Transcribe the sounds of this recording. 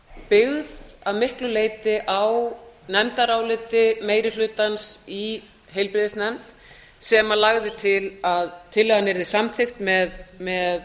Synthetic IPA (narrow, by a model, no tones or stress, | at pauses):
pɪɣðavmɪhklʏleːjt̪ɪʔawnɛmt̪aɾawlɪt̪ɪmeːjɾɪlʏːt̪ansi | ɦejlpɾɪðɪsnɛmt̪ | sɛmalaɣðɪt̪ʰɪlaðt̪ʰɪlːɛɣanːɛɾðɪsamθɪxt̪mɛðmɛð